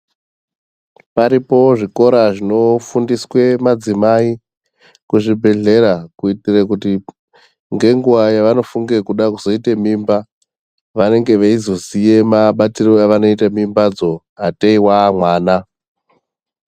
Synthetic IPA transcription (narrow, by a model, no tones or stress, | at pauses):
paɾipo̞ʐiko̞ɾaʐino̞fundiswe̞mad͡zimai | kuʐibʱe̞ɮe̞ɾakuitirekuti | ŋɡe̞ŋɡuʋajaʋano̞fuŋɡe̞kuɗakuzo̞itemiːmba | ʋane̞ŋɡe̞ʋaizo̞sije̞maɓatiro̞aʋano̞itamimbad͡zo̞ | ɦateiwamwaːna